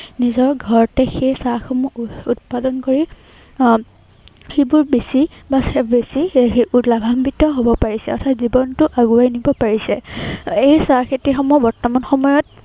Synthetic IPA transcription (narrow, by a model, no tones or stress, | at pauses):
nizɔɹɡʱɔɹɔtɛxejsaxɔmuut̚padɔnkoɹi | xebʊɹbesibasbesieulabʱambitɔɦobɔpaɹisɛɔtʰatzibɔntʊʔaɡuajnibɔpaɹisɛejsaxetixɔmubɔɹtɔmanxɔmɔjɔt̚